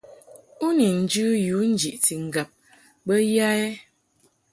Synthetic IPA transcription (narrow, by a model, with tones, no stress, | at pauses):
u˦ni˨n̩˨˦d͡ʒʉ˦ju˨˦n̩˦d͡ʒi˨ʔti˨ŋ̩˨ɡa˨p̚ | bə˦ja˦ɛ˦